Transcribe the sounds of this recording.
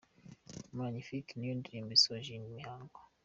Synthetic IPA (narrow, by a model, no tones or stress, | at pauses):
maɲifiknjundɾimisɔʒinmihaŋɡɔ